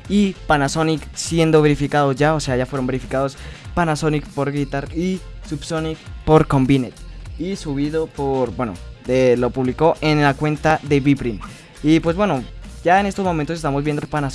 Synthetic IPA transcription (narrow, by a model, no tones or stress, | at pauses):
ipanasoniksje̞nd̪o̞βe̞ɾifikaðo̞zʝaose̞aʝafweɾo̞mbeɾifikaðospanasonikpo̞ɾɡit̪aɾisubsonikpo̞ɾko̞mbinet̪isuβiðopoɾbwe̞no̰elo̞puβliko̞ʔenlakwe̞nt̪aðe̞βipɾin | ipwe̞zβwe̞no̞ɟ͡ʝaenest̪ozmomẽnt̪osest̪amozβjend̪oepanas